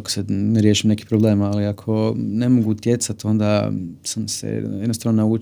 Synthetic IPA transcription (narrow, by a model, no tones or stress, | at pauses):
ko̥saneɾjeʃimne̞ki̥pɾoble̞ːmaliakʰo̞ne̞mo̞ɡut̪je̞t̪sat̪o̞nd̪asamsḛjednost̪aːʋnonauːt͡ʃ